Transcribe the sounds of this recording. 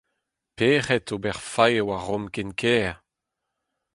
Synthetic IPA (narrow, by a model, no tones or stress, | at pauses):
peːʁɛt̪obɛʁfajewaʁɔmkɛnkʰɛː